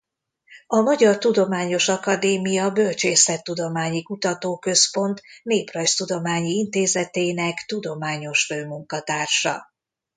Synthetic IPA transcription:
ɒmɒɟɒrt̪ud̪o̞maːɲo̞ʃɒkɒd̪eːmijɒbø̞lt͡ʃeːsɛt̪ːud̪o̞maːɲikut̪ɒt̪oːkø̞spo̞nt̪neːprɒjst̪ud̪o̞maːɲiint̪eːzɛt̪eːnɛkt̪ud̪o̞maːɲo̞ʃføːmuŋkɒt̪aːrʃɒ̰

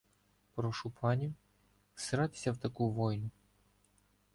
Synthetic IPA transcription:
pɾɔʃupʰɑnʲiw | seɾɑt̪ɪ̥sʲɐwt̪ɐkuʋɔjnʊ

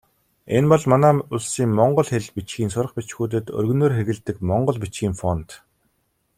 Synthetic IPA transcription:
enpɔɮmanæːʊɮsiːŋmɔɴɢɞ̆ɮxeɮpit͡ɕxiːnsʊrə̆χpʲit͡ɕxuːt̪̬ɘ̆t̪ɵ̰rɣɵ̆noːrxeɣɘ̆ɮt̪ɘ̆kmɔɴɢɞ̆ɮpit͡ɕxiːŋfɔnt̪

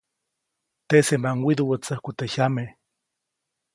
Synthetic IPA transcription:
t̪esembaŋwid̪uwət͡səhkut̪eçame

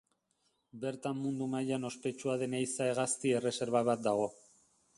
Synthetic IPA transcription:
be̞ɾt̪amːund̪umajano̞spe̞t͡ʃuaðe̞nejsae̞ɣ̞ast̪ie̞re̞se̞ɾβaβat̪̚d̪aɣ̞o̞

